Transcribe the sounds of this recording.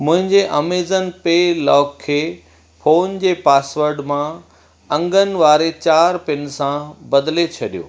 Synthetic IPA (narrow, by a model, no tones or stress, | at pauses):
mʊ̃ɦɪ̃ɲd͡ʑeʔɐmeːzənpeːlɔːkʰːeː | foːnd͡ʑeːpaːsʋəɾɖmã | ɐ̃ŋɡənɪ̆ʋaːɾet͡ɕaːɾpɪnsãbɐd̪let͡ɕʰɐɗijo̰ː